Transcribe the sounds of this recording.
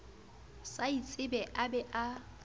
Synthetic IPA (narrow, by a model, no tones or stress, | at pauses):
sait͡sʼɪbɛʔabɛʔa